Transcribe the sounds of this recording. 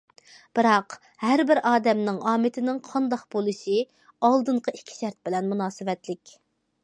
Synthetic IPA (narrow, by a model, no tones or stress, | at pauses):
b̥ɨɾɑq | hæɾbɪɾʔɑːd̪ɛmnɪŋʔɑːmɪt̪ʰɪnɪŋqʰɑnd̪ɑqbolˠɨʃi | ɑlˠd̪ɨɴqʰəikʲʰːi̥ʃæɾt̪̚bɪlɛnmunɑːsɨwɛt̪lɪkʲ